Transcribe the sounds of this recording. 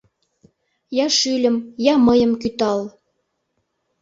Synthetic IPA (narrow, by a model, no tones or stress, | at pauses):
jɑʃylʲə̆mjɑmɤjə̆mkyt̪ɑl